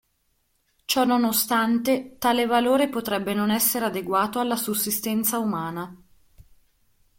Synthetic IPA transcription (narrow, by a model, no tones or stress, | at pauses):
t͡ʃɔnːonost̪ant̪et̪aːlevaloːɾepot̪ɾɛbːenonɛsːeɾead̪eɡwaːt̪oalːasusːist̪ɛnt̪saumaːna